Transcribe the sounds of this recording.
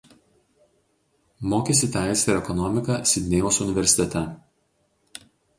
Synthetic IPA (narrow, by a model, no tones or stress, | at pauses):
moːkʲesʲɪt̪ʲæˑɪsʲʋʲeɾʲɛkɔnɔmʲɪkɐsʲɪd̪ʲnʲejoːsʊnʲɪʋʲɛɾʲsʲɪ̥t̪ʲɛt̪ʲɛ